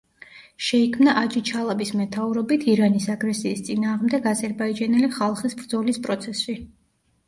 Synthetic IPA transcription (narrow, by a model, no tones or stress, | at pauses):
ʃɛikʰmnaʔad͡ʒit͡ʃʰalˠabismɛt̪ʰauɾɔbit̪ʰiɾanisaɡɾɛsiːst̪sʼinaːʁmd̪ɛɡazɛɾbaid͡ʒanɛliχalˠχisbɾd̪zɔlispʼɾɔt̪sʰɛsi